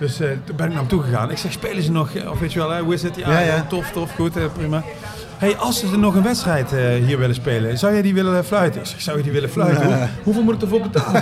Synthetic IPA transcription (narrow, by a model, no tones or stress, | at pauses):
d̥øsbɛnɪknaːmtuɣəɣa̰ːnɪksɛxspejləzənɔxɔ̰fʋejtyʋɛlˠɦɛɦuɪsətjatɔftɔfxutɛprimaː | ɦejʔɑlˠsədənɔxənʋɛtstrɛjtːɦiːɹʋɪlənspeːlənzɑwjɛjdiʋɪləflœɥtəɪksɛ̥xsɑwjədiʋɪləflœjtəɦuveːlˠmutɪktəvolˠbət